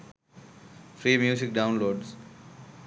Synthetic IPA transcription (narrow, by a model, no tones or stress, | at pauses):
fɾiːmjuːzɪk̚ɖãʊ̃nloːɖz